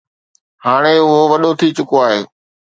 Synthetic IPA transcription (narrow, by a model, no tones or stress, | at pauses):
haːɽ̃eʊɦoʋɐɗot̪ʰit͡ɕʊkoaːɦeː